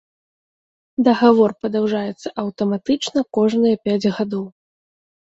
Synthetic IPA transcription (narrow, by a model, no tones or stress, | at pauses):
d̪ɐɣavɔrpɐd̪awʐajɛt̪sːɐʔɐwt̪ɐmat̪ɨt͡ʂnɐkɔʐnɨjɐpʲad͡zʲɣad̪ɔw